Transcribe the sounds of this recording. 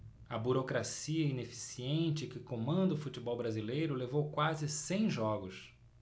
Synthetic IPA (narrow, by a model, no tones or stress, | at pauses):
ɐbuɾokɾasiɐĩnefi̥siẽnt͡ʃɪkɪkõmɐ̃nd̪ʊfut͡ʃibɔwbɾazilejɾʊlevowkwazɪsẽj̃ʒɔɡʊs